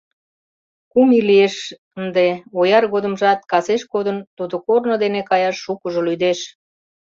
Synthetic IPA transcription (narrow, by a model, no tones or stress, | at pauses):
kumilieʃ | ənd̪eojɑrɣod̪əmʒɑt̪̚kɑseʃkod̪ənt̪ud̪okornod̪enekɑjɑʃːukəʒolyd̪eʃ